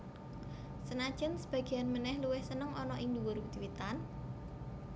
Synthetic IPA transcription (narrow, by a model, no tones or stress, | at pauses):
sənad̥ʒ̥ənsəb̥a̤ɡ̥i̤anmənɛhluwɪhsənəŋɔnɔʔiŋd̪uwʊɾuk̚d̪iwit̪an